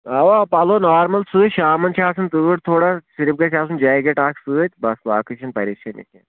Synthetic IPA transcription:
aʋapɐloːnaːɾmɐlsɨːʃaːmɐnt͡ʃʰaːsɨnt̪ɨʋʈt̪ʰoːɽasiɾp̚ɡɐt͡ʃʰaːsund͡ʒaːjɡeʈaːksɨːt̪̚ʲbɐsʋaːkɨʃɐnpɐɾiʃʰɐnḭkʲḛ

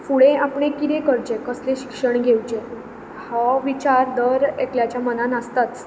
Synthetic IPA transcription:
fuɽẽapɳ̃ekit̪ekəɾd͡ʑekəsleɕi̥kʂəɳɡʱewd͡ʑe | hɔʋit͡ɕaɾd̪əɾekljat͡ɕjamənanəst̪at͡s

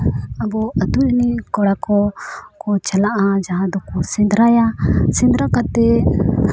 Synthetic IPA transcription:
əbɔəd̪uʔnikɔɽakɔkɔt͡ʃəlaʔad͡ʒaɦãd̪ɔkɔsĩnd̪ʱɾajasĩnd̪ɾakat̪ɛ

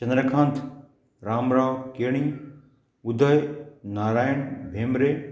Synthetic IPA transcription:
t͡ʃɐ̃nd̪ɾəkʰãːnt̪ʰ | ɾaːmɾaːʋkeːɽ̃i | ʊd̪ʱəjnaːɾaːjəɳ̃bʱeːmɾeː

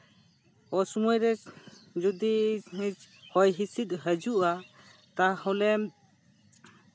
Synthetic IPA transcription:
ɔsumɔjɾɛd͡ʒud̪iit͡ʃhɔjɦisit̪̚ɦəd͡ʒuʔa | t̪ahɔ̃lɛm

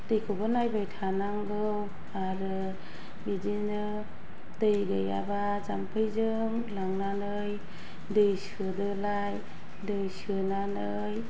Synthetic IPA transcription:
tɯjkʰobɯnajbajtʰanaŋɡɯw | aɾɯ | bidinɯ | tɯjɡɯja̰ba | zampʰɯjzɯ | ŋ | laŋnanɯj | dɯjsɯdɯlaj | dɯjsɯnanɯ | j

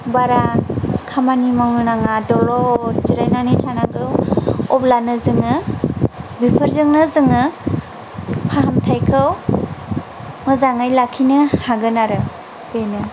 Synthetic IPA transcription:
baɾakʰamanimawnɯnaŋadɔlɔziɾajnanitʰanaɡɯwɔblanɯzɯŋɯ | bipʰɯɾzɯŋnɯzɯŋɯ | pʰaɦamtʰajkʰɯw | mɯzaŋajlakʰinɯhaɡɯnaɾɯ | benɯ

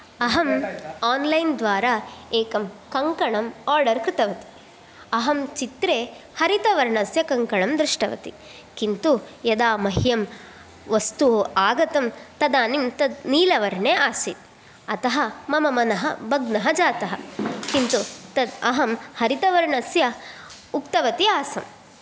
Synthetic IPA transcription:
ɐɦɐmaːnlɐjnd̪ʋaːɾaeːkɐmkɐŋkɐɳɐmaːɾɖɐɾkɾɪt̪ɐʋɐt̪i̥ | ɐɦɐmt͡ʃit̪ɾeː | hɐɾit̪ɐʋɐɾɳɐsjɐkɐŋkɐɳɐmd̪ɾiʂʈɐʋɐ̰t̪i | kint̪ujɐd̪aːmɐɦjɐm | ʋɐst̪uoːʔaːɡɐt̪ɐmt̪ɐd̪aːnimt̪ɐniːlɐʋɐɾɳeːʔaːsit̪̚ | ɐt̪ɐɦɐmɐmɐmɐnɐɦɐ̰bʱɐɡnɐɦɐd͡ʒaːt̪ɐɦɐkint̪ut̪ɐɐɦɐmhɐɾit̪ɐʋɐɾɳɐsjɐ | ukt̪ɐʋɐt̪iaːsɐm

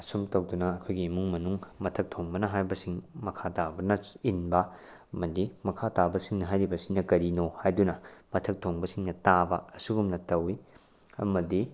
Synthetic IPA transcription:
ɐsumtɐwdunɐːkʰojɡiːmuŋmɐnuŋmɐtʰɐk̚tʰoŋbɐnɐɦajɾbɐsiŋmɐkʰatabɐnɐinbɐ | ɐmɐdimɐkʰatabɐsiŋnɐɦajɾibɐsiŋnɐkɐɾinohajdunɐmɐtʰɐk̚tʰoŋbɐsiŋnɐtabɐːsuɡumnɐtɐwi | ɐ̰mɐdi

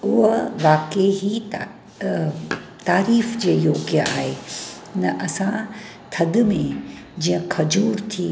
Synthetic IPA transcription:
ʊɦʋaːkeɦit̪ː | t̪aːɾiːfd͡ʑeːjoːɡjəʔa̰ːɦeː | nɐʔɐsã | t̪ʰɐd̪mẽ | d͡ʑiːə̃kʰɐd͡ʑuːɾt̪ʰiː

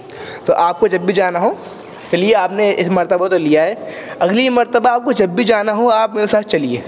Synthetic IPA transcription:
t̪o̰ʔaːp̚kod͡ʒɐbːid͡ʒaːnaɦo | t͡ʃɐlieaːpneɪsmɐɾt̪əbat̪olijaɦɛːɐɡlimɐɾt̪əbaaːp̚kod͡ʒɐbːid͡ʒaːnaɦoaːp̚meːɾesaːt̪̚ʰt͡ʃɐliḛː

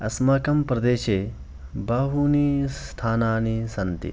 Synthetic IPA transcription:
ɐsmaːkɐmpɾɐd̪eːʃeː | bɐɦuniːst̪ʰaːnaːnisɐnt̪ḭ

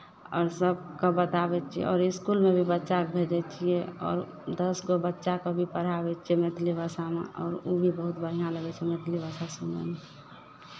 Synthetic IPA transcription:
ɔːɾsəb̚kabət̪abɛt͡ʃʰiḛɔ̰ːɾɪskulmebʱibətːʃakbʱed͡ʒɛt͡ʃʰieɔ̰ːɾ | d̪əsɡobətːʃakobʱipəɾ̤abɛt͡ʃʰiɛmet̪libʱasamḛʔɔːɾobʱibəɦut̪̚bəɾ̤ijaləɡɛt͡ʃʰɛmet̪ʰlibasasumḛme

